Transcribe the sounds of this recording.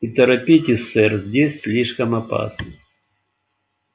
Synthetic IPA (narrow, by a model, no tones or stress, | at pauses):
it̪əɾɐpʲitʲɪsːɛrzʲdʲesʲsʲlʲiʂkəmɐpa̰snɨ